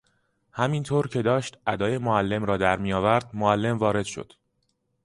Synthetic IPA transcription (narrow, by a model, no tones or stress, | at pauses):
hæmint̪ʰoːɾcʰe̞d̪ɒːʃt̪ʔæd̪ɒːje̞moælːe̞mɾɒːd̪æɾmijɒːvæɾd̪̚moælːe̞mvɒːɾe̞d̪̥ʃo̰d̪̥